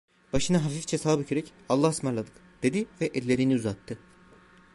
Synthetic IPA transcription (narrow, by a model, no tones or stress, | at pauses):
b̥aʃɯnaɦaɾfikt͡ʃʰɛsaːbycʰeɾɛcalˠːahsmaɾlˠad̪ɯk | d̪̥ed̪ivɛʔɛlʲːe̞ɾiniuzat̪ʰːɯ